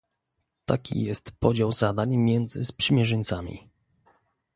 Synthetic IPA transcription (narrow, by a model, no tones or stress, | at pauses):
t̪akʲḭjɛst̪pɔd͡ʑawzad̪aɲmʲjɛnd̪zɘspʂɘmʲjɛʐɛɲʲt̪samʲḭ